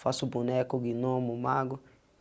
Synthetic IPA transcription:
fasʊbunɛkʊɡinomumaɡʊ

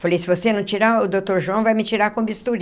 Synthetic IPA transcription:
falejsɪvosenɐ̃t͡ʃiɾaʊd̪ot̪oɾʒuɐ̃w̃vajmɪt͡ʃiɾakõbist̪uɾ

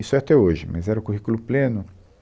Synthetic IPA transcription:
isʊɛat̪ɛoʒɪmɐ̰zɛɾɐʊkuɦikulʊplẽnʊ

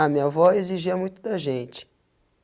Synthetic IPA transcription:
amĩɐvɔeziʒiɐmũj̃t̪ʊd̪ɐʒẽnt͡ʃɪ̥

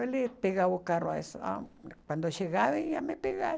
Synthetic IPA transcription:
elit̪̚piɣaukaroesa̰kʷand̪oʃiɣaβijamepiɣa

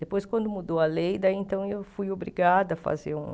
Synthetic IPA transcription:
d̪epojskwɐ̃nd̪ʊmud̪owɐlejd̪aiẽnt̪ɐ̃w̃ewfujobɾiɡad̪ʊɐfa̰zeɾṵ̃

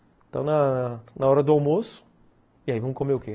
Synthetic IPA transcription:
t̪ɐ̃w̃nɐnɐnɐɔɾɐd̪ʊaw̃mosʊ̥ | iaivɐ̃mʊkomeʊke

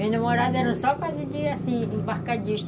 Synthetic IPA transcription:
ẽnɐ̃moɾad̪ʊɛɾɐ̃sɔkwazɪd͡ʒiasĩĩbaɾkad͡ʒiʃt̪

